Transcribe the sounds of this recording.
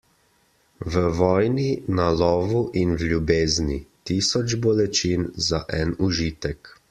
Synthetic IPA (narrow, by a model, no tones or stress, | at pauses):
ʋəʋɔːjninalɔːʋuʔinwlʲjubeːznit̪isɔt͡ʃbɔlɛt͡ʃinzaʔɛnuʒiːt̪ɛk